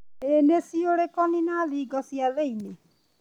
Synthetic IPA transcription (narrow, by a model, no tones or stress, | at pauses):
enesioɽekɔninaliɡɔsijaleine